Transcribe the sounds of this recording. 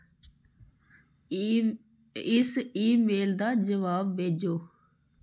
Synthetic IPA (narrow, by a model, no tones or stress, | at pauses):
ɪsiːmeːld̪aːd͡ʒəʋaːbːeːd͡ʒoː